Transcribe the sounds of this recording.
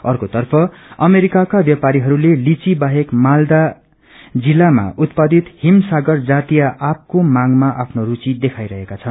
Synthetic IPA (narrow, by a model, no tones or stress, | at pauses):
ʌrkot̪ʌrpʰʌʌmeɾikakabjʌpaɾiɦʌɾulelit͡sibaɦekmald̪a | d͡zilːama̰ut̪pad̪it̪himsaɡʌrd͡zat̪ijaʔap̚komaŋmaʔapʰnorut͡sid̪ekʰajɾʌɦekat͡sʰʌn